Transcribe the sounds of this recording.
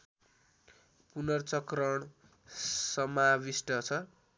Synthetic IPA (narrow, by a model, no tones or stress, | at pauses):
punʌrt͡sʌkrʌɳ | sʌmabisʈʌt͡sʰʌ